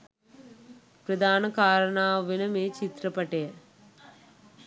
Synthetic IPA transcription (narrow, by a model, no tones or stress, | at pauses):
pɾɐd̪ʱaːnɐkaːɾɐɳaːʋinɐmeːt͡ʃit̪ɾɐpɐʈeː